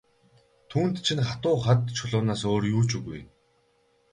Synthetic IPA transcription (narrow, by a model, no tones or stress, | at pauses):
t̪ʰuːnt̪t͡ɕʰinχat̪ʊːχat̪t͡ɕʰʊɮʊːnaːsoːrjuːt͡ɕuɣuj